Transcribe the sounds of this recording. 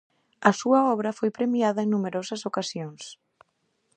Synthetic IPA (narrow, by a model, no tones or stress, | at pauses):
ɐsuɐɔβɾɐfojpɾemiaðɐeŋnumeɾɔsɐsokasjoŋs